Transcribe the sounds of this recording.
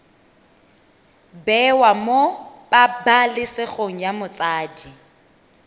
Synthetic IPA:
bɛwamob̥abalɪsɪk͡xʰoŋ̩jamʊt͡sʼaːdi

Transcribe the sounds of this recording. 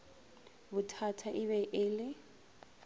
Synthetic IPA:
bʊtʰatʰaʔɪβɛʔɪːlɪ

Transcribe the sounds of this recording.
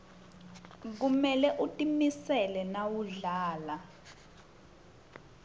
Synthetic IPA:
k̬umɛlɛʔutʼimisɛlɛnawuɮaːla

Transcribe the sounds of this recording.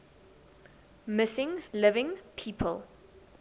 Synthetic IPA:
mɪsɪ̃ŋlɪvɪ̃ŋpʰiːpʰəlˠ

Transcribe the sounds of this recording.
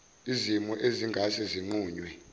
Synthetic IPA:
izimuʔeziŋɡʱasɛziŋ͡ǃuːɲwɛ

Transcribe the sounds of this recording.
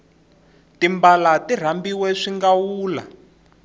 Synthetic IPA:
timbalatir̤ambiwɛʂiŋɡawuːla̰

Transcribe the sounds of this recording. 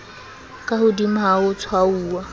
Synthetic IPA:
kʼahʊdim̩ɦaʊt͡sʰwauːwa

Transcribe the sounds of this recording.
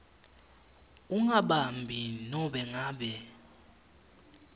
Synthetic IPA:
uŋaɓambʱinɔɓɛŋaːɓɛ

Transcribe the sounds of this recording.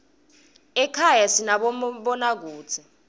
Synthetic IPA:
ɛkʰajasinaɓɔɓɔnak̬uːt͡sʰi

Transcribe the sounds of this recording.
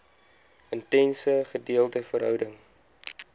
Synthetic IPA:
əntɛnsəχədiəlˠtəfəɾɦœwdəŋ

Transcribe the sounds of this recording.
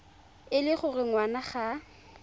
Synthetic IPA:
ɪlɪχʊrɪŋwanaχa

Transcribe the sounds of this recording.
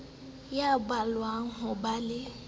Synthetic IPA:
jabalwaŋ̩ɦʊbalɪ

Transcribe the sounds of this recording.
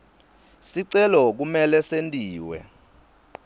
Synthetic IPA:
siǀɛlɔk̬umɛlɛsentʼiːwɛ̰

